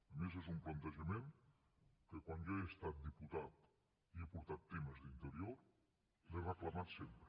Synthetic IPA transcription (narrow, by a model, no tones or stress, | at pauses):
əmezezumplənt̪əʒəmen | kəkwanjoeəst̪at̪̚d̪iput̪at̪ | iepuɾt̪at̪ːeməzðint̪əɾioɾ | lerəklamat̪sempɾə